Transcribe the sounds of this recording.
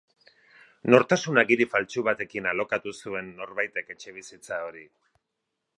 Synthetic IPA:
no̞ɾt̪asunaɡiɾifalt͡ʃuβat̪e̞kinalo̞kat̪usue̞nːo̞ɾβajt̪e̞ke̞t͡ʃe̞β̞isit͡sao̞ɾi

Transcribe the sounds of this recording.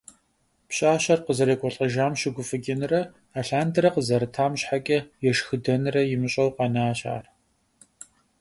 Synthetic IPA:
pɕʼaːɕɐrqəzɐɾɐkʷʰʼɔɬʼɐʒaːmɕɪɡʷʊfɨɡʲɪnɨrɐ | aːɬaːndɨɾɐqəzɐɾɨtʰaːmɕħakʲʼɐjɛʃxɨdɐnɨrɐjɪmɨɕʼɐwqɑnaaːɕa̰ːr

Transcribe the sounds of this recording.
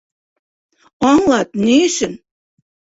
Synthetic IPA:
ɑŋlɑt̪̚neʃɘ̆n

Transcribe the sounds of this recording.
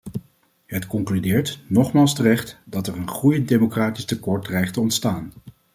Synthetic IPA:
ɦətkɔŋklydɪːɹtnɔχmaːlˠstərɛχtd̥ɑtɛrənχrujəndejmokraːtistəkɔɹt̚drɛjχtəɔntstaːn

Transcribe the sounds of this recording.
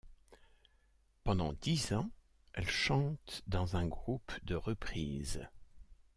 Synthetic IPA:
pɑ̃d̪ɑ̃d̪izɑ̃ | ɛlʃɑ̃t̪d̪ɑ̃zɛ̃ɡʁupd̪əʁəpχiːz

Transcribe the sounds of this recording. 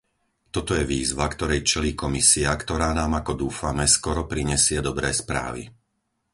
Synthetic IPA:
t̪ɔt̪ɔjɛʋiːzʋakt̪ɔɾɛjt͡ʃɛliːkɔmisiakt̪ɔɾaːnaːmakɔd̪uːfamɛskɔɾɔpɾiɲɛsɪɛd̪ɔbɾɛːspɾa̰ːʋḭ

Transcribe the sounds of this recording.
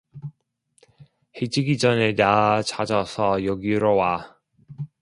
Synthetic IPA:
hed͡ʑiɡid͡ʑʌnenat͡ɕad͡ʑʌsʰʌjʌɡiɾowa

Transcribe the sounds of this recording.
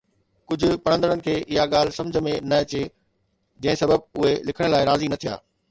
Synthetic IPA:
kʊd͡ʑʱʊ̆pɐɽə̃nd̪əɽ̃ənɪ̆kʰeːʔɪɦaɠaːl̤sɐ̃md͡ʑʱəmẽnɐɐt͡ɕe | d͡ʑɐ̃ɦɪ̃sɐbəb̚ʊɦelɪkʰəɽ̃laːɪɾaːzinɐt̪ʰija̰ː

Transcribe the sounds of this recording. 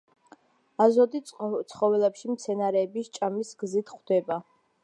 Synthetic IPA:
azɔd̪it̪sʰχɔvɛlɛpʃimt̪sʰɛnaɾɛːbist͡ʃʼamisɡzit̪ʰχwd̪ɛba

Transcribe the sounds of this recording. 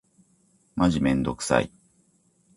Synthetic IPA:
maʑimẽ̞nd̪o̞kɯ̥sa̰i

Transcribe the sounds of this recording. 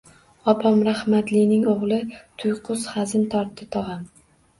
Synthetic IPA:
ɒpʰɒmɾahmat̪lɪjnɪŋoʁlˠɪt̪ʰʊjqʰʊz̥χazɪnt̪ʰɒɾt̪ʰːɪt̪ʰɒʁɑm

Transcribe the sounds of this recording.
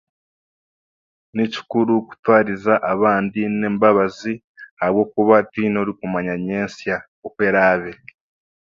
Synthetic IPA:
nici̥kuɾuku̥twaːɾizaʔaβaːndine̞ːmbaβazi | haβwo̞ːkuβatino̞ɾikumaɲaɲe̞ːnsja | okwe̞ːɾaːβe̞

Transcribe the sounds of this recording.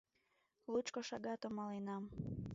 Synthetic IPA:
lut͡ʃkoʃɑɡɑt̪omɑlenɑm

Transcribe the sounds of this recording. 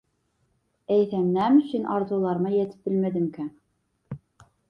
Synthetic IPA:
æjθæmnæmsinʔɑɾd̪ulˠɑɾnɑjæt̪ɘ̥p̚bɘlmæðɘ̆mkæ

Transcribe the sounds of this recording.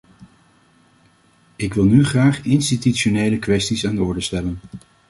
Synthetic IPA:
ɪkʋɪlˠnyχraːχɪnstityʃonejləkʋɛstisaːndəɔɹdəstɛlən

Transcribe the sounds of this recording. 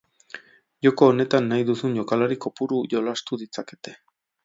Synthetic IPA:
ʝo̞ko̞ːne̞t̪anːajðusunʝo̞kalaɾiko̞puɾuʝo̞last̪uðit͡sake̞̥t̪e̞̥

